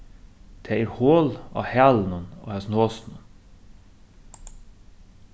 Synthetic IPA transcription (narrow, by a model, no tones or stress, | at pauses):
t̪ʰeːiɾhoːlɑ̰ːhæːln̩əno̰ːhɛsnoːsn̩ən